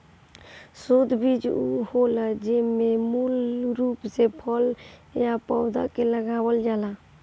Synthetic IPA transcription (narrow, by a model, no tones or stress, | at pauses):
sod̪ʱbid͡ʒuholəd͡ʒememulɾupsepʰəljapɔʊd̪a̰keləɡabəld͡ʒala